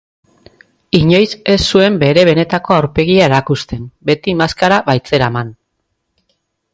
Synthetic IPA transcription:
iɲo̞jse̞sːue̞mbe̞ɾe̞β̞e̞ne̞t̪ako̞awɾpe̞ɣiae̞ɾakust̪e̞mbe̞t̪imaskaɾaβajt͡se̞ɾaman

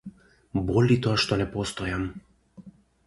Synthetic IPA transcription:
bɔlʲit̪oaʃt̪ɔnɛpɔst̪ɔjam

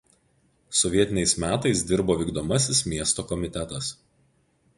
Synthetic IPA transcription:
sɔʋʲiɛt̪ʲɪnʲɛɪsmʲæːt̪ɐɪsd̪ʲɪɾboːʋʲiːɡd̪oːmɐsʲɪsmʲiɛst̪oːkɔmʲɪt̪ʲɛt̪ɐs

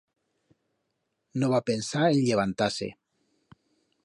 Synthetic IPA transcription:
noβapensaeʎʎeβ̞ant̪asḛ

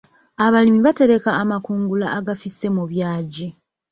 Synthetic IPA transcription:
aβalimiβate̞ɾe̞kaːmakuːŋɡulaʔːɡafisːe̞muβjaːɟi

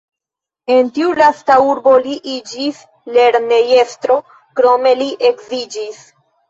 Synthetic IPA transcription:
e̞ntiulastauɾbo̞liʔid͡ʒis | le̞ɾne̞je̞stɾo̞ | kɾo̞me̞liʔe̞kzid͡ʒis

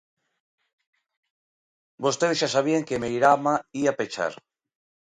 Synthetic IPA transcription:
bost̪eðeʃasaβ̞ieŋkemejɾamaiapet͡ʃa̰ɾ

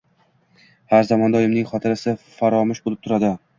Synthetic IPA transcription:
haɾzamɒnd̪ɒjɪmnɪŋχɒt̪ʰɪɾɪsɪfaɾɒmɪʃbolˠɪp̚t̪ʰʊɾad̪ɪ

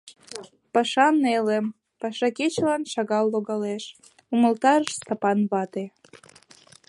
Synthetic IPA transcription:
pɑʃɑnelem | pɑʃɑket͡ɕlɑnʃɑɣɑlːoɣɑleʃ | uməlt̪ɑɾəʃst̪ɑpɑnβɑt̪e

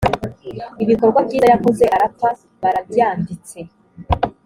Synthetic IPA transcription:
iβiko̞ɾɡwabɟiːajako̞ze̞ʔaɾapa | βaɾabaːndit͡se̞

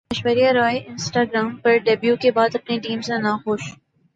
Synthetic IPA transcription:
ɐʃwəɾijaɾɔːeʔɪ̃nsʈaːɡɾaːmpɐɾɖɐbjukebaːd̪ɐpniʈiːmsẽnaxʊːʃ

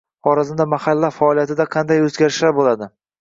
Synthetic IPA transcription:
χɒɾazɪnd̪amahalːafaɒlˠijat̪ʰɪd̪aqʰɑnd̪ajɵzɡʲaɾɪʃlaɾbolad̪ɪ

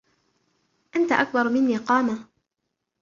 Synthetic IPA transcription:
ʔant̪aʔak̚bɑɾˤmɪnːiːqɑːma

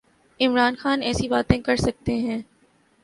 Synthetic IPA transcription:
ɪmɾaːnxaːnɛːsibaːt̪ẽkɐɾsɐk̚t̪eɦɛ̃ː

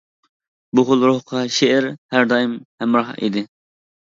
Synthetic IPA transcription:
bʊʁʊlˠɾohqʰɑʃeɪɾhæɾd̪ɑːimhɛmɾɑɦḭd̪ɪ

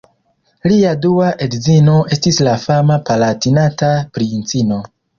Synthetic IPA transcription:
liaduaʔedzino̞ʔe̞stislafamapalatinatapɾint͡sino̞

